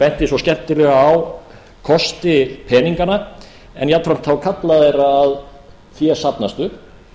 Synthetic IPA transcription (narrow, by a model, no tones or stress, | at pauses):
pɛn̥t̪ɪsɔscɛnt̪ɪlɛɣaːw | kʰɔst̪ɪpʰɛːniŋkana | ɛ̰njat̪fɾam̥t̪θawkʰat̪laðeɾaːð | θjɛsapnast̪ʏ